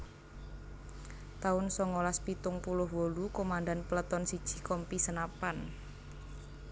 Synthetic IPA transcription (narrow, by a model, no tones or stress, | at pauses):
t̪aʊnsɔŋolaspit̪ʊŋpulʊhwolukomand̪anpələt̪ɔnsid̥ʒ̥i̤̥kɔmpisənapan